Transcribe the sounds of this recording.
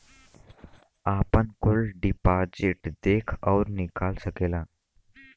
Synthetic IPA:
aːpənkʊlɖɪpaːd͡ʒɪʈd̪eːkʰɔːɾnɪkaːlsəkeːlaː

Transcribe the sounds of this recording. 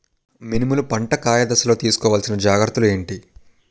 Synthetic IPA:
minimulupɐɳʈɐkaːjɐd̪ɐsɐlo̞ːt̪iːsu̥kɔːʋaːlsinɐd͡ʒaːɡɾɐt̪ulue̞ːɳʈi

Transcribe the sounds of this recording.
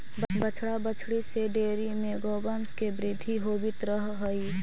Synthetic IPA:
bət͡ʃʰɽabət͡ʃʰɽiseɖeːɾimẽɡɔːbənskebɾɪd̪ʱiɦoːbɪt̪ɾəɦɦoi

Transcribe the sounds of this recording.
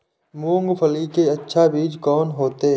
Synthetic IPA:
mũːŋɡpʰəlikeɐtːʃʰabiːd͡ʒkɔːnɦoːt̪e

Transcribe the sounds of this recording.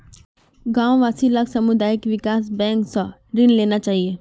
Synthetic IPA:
ɡãːwʋaːsilɐksɐmʊd̪aːjɪkʋɪkaːs̬bɛ̃ːŋksɔ | ɾɪnleːnat͡ʃaːɦieː

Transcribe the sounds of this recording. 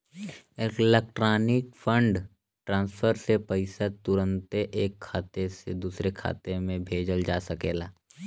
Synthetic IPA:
eːkɪlek̚ʈɾaːnɪk̚fʰə̃ɳɖ | ʈɾãːnspʰəɾsepəɪsat̪ʊɾə̃nt̪eʔːkʰːaːt̪esḛd̪uːsɾekʰa̰ːt̪emẽbʱeːd͡ʒəld͡ʒaːsəkeːlaː

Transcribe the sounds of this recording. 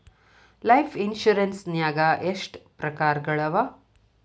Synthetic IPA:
lɐjpʰinʃuɾensnjaːɡaʔeʂʈpɾɐkaːɾɡɐɭɐʋa

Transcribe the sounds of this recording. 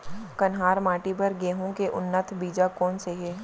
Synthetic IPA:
kɐnɦaːɾmaːʈibəɾɡeːɦõkeʔʊnːət̪ʰbiːd͡ʒakɔːnseɦeː

